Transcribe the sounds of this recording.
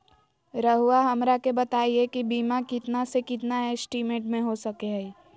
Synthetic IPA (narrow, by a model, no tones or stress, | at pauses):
ɾəɦʊwaɦɐmɾakebɐt̪aːiekibiːmakɪt̪nasekɪt̪naɛsʈiːmẽːʈmẽɦosɐkeɦɛ